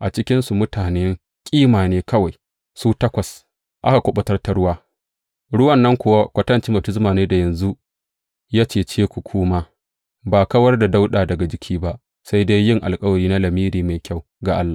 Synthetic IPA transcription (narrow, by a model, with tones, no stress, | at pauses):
ʔa˨t͡ʃɪ˦kʲɪ˦nsu˨mʊ˦taː˨ne˦ŋ | kʲʼiː˦maː˨neː˦kɐ˦wa˨j | suː˦tɐ˦kʷɐ˨s | ʔa˦ka˨kʷʊ˦ɓɐ˦tɐ˦rta˨ɽʊ˦waː˦ | ɽʊ˦wɐ˨nːɐ˦ŋkʷʊ˦wa˦kʷɐ˦tɐ˦nt͡ʃɪ˦bɐ˨tɪ˦s̬maː˨neː˦da˨jɐ˨nzu˦ | jaː˦t͡ʃeː˨t͡ʃeː˦kʷu˨kʷʰʊː˦ma˦ | baː˨kɐ˦wɐ˦rda˨da˦wɗaː˨dɐ˨ɡa˨d͡ʒɪ˦kʲʰiː˦ba˦ʔ | sa˦jda˦jːɪ˦ŋʔa̰˨lkʼɐ˦wɐ˨ɾiː˦na˦lɐ˨miː˦ɾiː˨ma˨jkʲa˦˨w | ɡa˨ʔa˦lːaː˨